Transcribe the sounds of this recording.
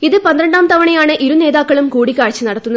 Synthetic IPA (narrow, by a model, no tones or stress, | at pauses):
iðɨpɐnd̪ɾɐɳɖaːmt̪ɐʋɐɳɐjaːɳɨʔiɾune̞ːðaːkːɐɭumkuːɽikʲːaːɻɐt͡ɕːɨnɐɽɐt̪ːunːɐ